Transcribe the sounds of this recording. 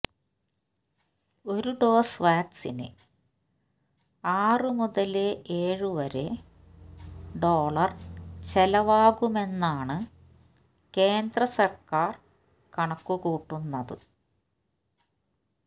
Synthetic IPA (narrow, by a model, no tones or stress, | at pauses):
o̞ɾuɖo̞ːsʋaːksinɨ̰ | aːrɨmuðɐleeːɻɨʋɐɾe | ɖo̞ːɭɐrt͡ɕelɐʋaːɣume̞nːaːɳɨ | ke̞ːnd̪rɐsɐrkaːr | kɐɳɐkːuɣuːʈːunːɐðɨ̰